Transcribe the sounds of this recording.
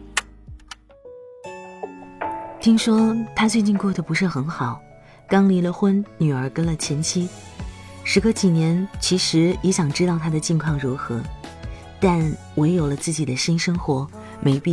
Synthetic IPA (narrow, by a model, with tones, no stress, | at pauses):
t̪ʰi˥ŋʂwɔ˥t̪ʰa˥t͡swe˥˧ɪt͡ɕi˥˧nkwɔ˥˩d̪ə˨˩pu˧˥ʂɻ̩˥˩xə˧˥nxɑ˨˩˦ʊ | kɑ˥ŋli˧˥lə˨xwə˥nny˨˩ə˞˧˥kə˥nlə˨t͡ɕʰjɛ˧˥nt͡ɕʰi˥ | ʂɻ̩˧˥ɡə˧t͡ɕi˨˩njɛ˧˥nt͡ɕʰi˧˥ʂɻ̩˧˥ɛ˧˥ɕjɑ˨˩ŋʈ͡ʂɻ̩˥t̪ɑ˥˩ʊt̪ʰa˥d̪ə˨t͡ɕɛ˥˧nkʰwɑ˥˩ŋɻu˧˥xɤ˧˥ | t̪a˥˩n | we˧˥ɪjo˨˩ʊlə˦t͡sɹ̩˥˩t͡ɕi˨˩d̪ə˦ɕi˥nʂɤ˥ŋxwɔ˧˥ | me˧˥ɪpi˥˩